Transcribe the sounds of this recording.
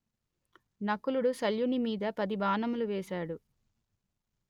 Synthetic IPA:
nɐkːuluɽusɐljunimiːd̪ɐpɐd̪ibʱaːnɐmuluʋeːsaːɽu

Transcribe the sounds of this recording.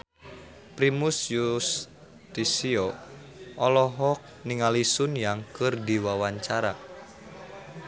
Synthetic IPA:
pɾimusjus | t̪isio | ʔɔlɔɦɔk̚niŋalisʊnjaŋkɨrdiwawaɲt͡ʃaɾa

